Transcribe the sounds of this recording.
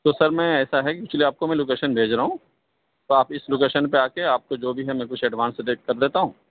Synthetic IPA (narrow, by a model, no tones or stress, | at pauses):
t̪oːsɐɾmɛ̃ːɛːsaɦɛkipɪt͡ʃʰliaːp̚komɛ̃loːk̬eːʃənbʱeːd͡ʒɾɐɦũː | t̪oaːpɪsloːkeːʃənpeaːkeaːp̚kod͡ʒoːbʱiɦɛmɛ̃kʊt͡ʃʰɛɖʋãːnsd̪ekɐɾd̪eːt̪aɦũː